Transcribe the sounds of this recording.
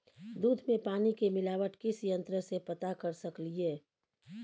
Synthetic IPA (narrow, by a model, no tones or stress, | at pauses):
d̪uːd̪ʱmẽpaːnikemɪlaːʋəʈkɪsjə̃nt̪ɾəsepət̪akəɾsəklieː